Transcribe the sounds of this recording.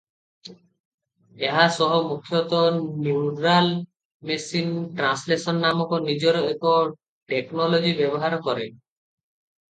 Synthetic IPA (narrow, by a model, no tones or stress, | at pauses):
eɦasɔɦɔmukʰːjɔt̪ɔnuwɖɾal | mesinʈɾanslesɔnːamɔkɔnid͡ʒɔɾɔekɔ | ʈeknɔlod͡ʒibebɔɦaɾɔkɔɾe